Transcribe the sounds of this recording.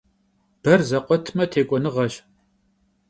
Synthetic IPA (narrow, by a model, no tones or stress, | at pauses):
b̥ɐrzɐqʷɔtʰmɐtʰeːkʷʼɔnɨʁɐɕ